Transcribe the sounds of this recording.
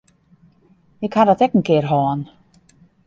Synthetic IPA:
ɪkhadɔtɛkən̩kɪərɦɔːən

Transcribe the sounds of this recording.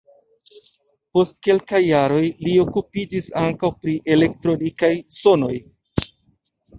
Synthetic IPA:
po̞st̚ke̞lkajːaɾo̞jlio̞kupid͡ʒisaŋkawpɾiʔe̞le̞k̚tɾo̞nikajso̞no̞j

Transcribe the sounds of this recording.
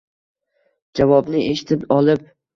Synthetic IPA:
d͡ʒavɒbnɪʔeʃɪ̥t̪ʰɪpɒlˠɪp̚

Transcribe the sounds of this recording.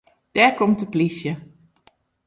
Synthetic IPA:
d̥ɛɹkɔmtəplisjə

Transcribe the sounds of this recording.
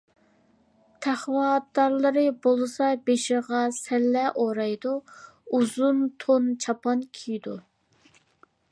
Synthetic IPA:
t̪ʰæχwɑt̪̚d̪ɑɾlˠɨɾɨbolˠɨsɑbeʃɪʁɑsɛlːɛʔoɾɑjd̪uuzunt̪ʰont͡ʃʰɑpʰɑnkʲʰijd̪u

